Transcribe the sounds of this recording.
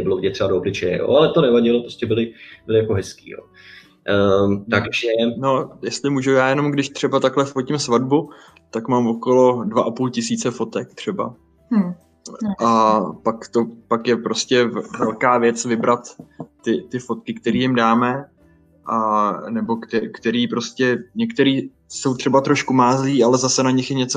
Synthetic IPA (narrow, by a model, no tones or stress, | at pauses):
nɛbɪlovɟɛt̪r̥ɛbadoːblɪt͡ʃɛjɛ̰jo̰ːalɛt̪onɛvaɟɪlopɾoscʲɛbɪlɪbɪlɪjakoɦɛskḭːjo̰ː | t̪akʃɛno̞jɛst̪lɪmuːʒujaːjɛno̞mɡdɪʃt̪r̝̥ɛbat̪aklɛfocɪmsvadbu | t̪akmaːmvo̞ko̞lo̞dvaʔapuːlcɪsiːt͡sɛfo̞t̪ɛkt̪r̝̥ɛba̰ | ʔapakt̪o̞pakjɛpɾo̞scɛvɛlkaːvjɛt͡svɪbɾat̪ːɪt̪ɪfot̪kɪkt̪ɛɾiːjɪmdaːmɛ | ʔanɛbo̞kt̪ɛkt̪ɛɾiːpɾo̞scɛɲɛkt̪ɛɾiː | so̞wt̪r̥ɛbat̪ɾoʃkumaːzliːalɛzasɛnaɲɪxjɛɲɛt͡so